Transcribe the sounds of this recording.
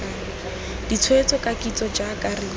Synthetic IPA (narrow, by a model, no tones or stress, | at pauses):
a | d̥it͡sʰwet͡sɔkʼakʼit͡sɔd͡ʒakʼari